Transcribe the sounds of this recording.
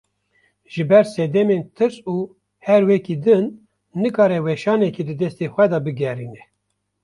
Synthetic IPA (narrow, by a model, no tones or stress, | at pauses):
ʒ̥ɨbɛɾsɛd̪ɛment̪ʰɨɾsuː | hɛɾwɛkid̪ɨnː | ɨkɑːɾɛwɛʃɑːnɛkid̪ɨd̪ɛst̪exʷɛd̪ɑbɨɡɛriːnɛ